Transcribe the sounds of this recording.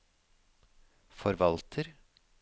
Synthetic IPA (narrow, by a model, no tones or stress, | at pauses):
fɔɾʋɑlt̪ʰəɾ